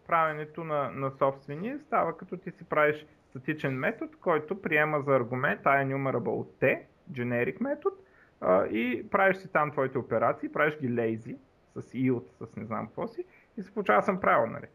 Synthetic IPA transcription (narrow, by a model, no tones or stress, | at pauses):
pɾavʲɛnɛt̪onɐnɐsɔpst̪vɛniɛst̪avəkɐt̪ɔt̪isipɾaviʃst̪ɐt̪it͡ʃɛnmɛt̪ot̪kɔjt̪ʊpɾiɛməzɐːɾɡʊmɛnt̪ːajɛnʲumɛɾɐbə̰lˠt̪ːɛ | d͡ʒɛnɛɾikmɛt̪ot̪ | ʔipɾaviʃsit̪amt̪vɔit̪ɛʊpɛɾat̪siːpɾaviʃɡʲilɛjzi | sɐsilˠt̪səsnɛzna̰mkvɔsi | isi̥polˠut͡ʃavəsəmpɾavɛlˠnɐ̰lḭ